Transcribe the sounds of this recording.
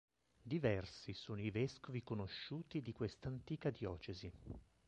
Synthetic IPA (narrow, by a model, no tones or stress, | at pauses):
d̪ivɛrsisoːnoivɛskovikonoʃːuːt̪id̪ikwest̪ant̪iːkad̪jɔːt͡ʃezi